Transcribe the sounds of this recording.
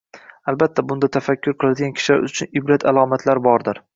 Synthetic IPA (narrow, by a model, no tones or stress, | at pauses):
albat̪ʰːabʊnd̪at̪ʰafakʲʰːʊɾqʰɨlˠad̪ɪɡʲankʲʰɪ̥ʃɪla̰ɾʊt͡ʃʰʊnɪbɾat̪ʰalˠɒmat̪ʰlaɾbɒɾd̪ɪɾ